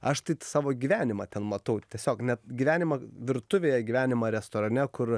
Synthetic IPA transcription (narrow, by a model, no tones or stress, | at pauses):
ɐʃt̪ɐɪsɑːʋoːɡʲiːʋʲæːnʲɪmɐt̪ʲɛnmɐt̪ɐʊt̪ʲɛsʲoːknʲɛt̪ɡʲiʋʲæːnʲɪmɐʋʲɪɾt̪ʊʋʲeːjɛɡʲiːʋʲæːnʲɪmɐɾʲɛst̪oːɾɐnʲɛkʊr